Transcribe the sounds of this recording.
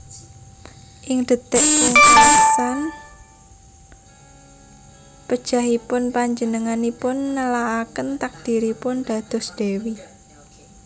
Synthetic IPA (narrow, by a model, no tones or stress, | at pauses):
ʔɪŋd̪̥ə̤t̪ɛʔkʊŋasan | pəd̥ʒ̥a̤ɦipʊnpaɲd͡ʒənəŋanipʊnːəlaakənt̪ak̚d̪̥i̤ɾipʊnd̪̥ä̤d̪̥ɔ̤sd̪̥ewi